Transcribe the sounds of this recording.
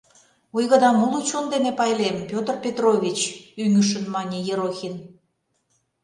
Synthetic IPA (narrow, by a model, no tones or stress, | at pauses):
ujɣə̆d̪ɑmulˠut͡ɕond̪enepɑjlempʲot̪rpʲet̪rovʲit͡ɕyŋyʃ̬ə̆nmɑnʲejeɾoxʲin